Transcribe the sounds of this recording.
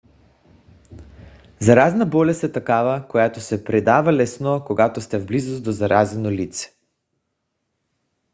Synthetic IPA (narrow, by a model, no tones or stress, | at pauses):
zaɾaznabɔlɛsɛt̪akavakojat̪osɛpɾɛd̪avalɛsnɔkoɡat̪ost̪ɛvblizusd̪ozaɾʔazɛnolit̪sɛ̥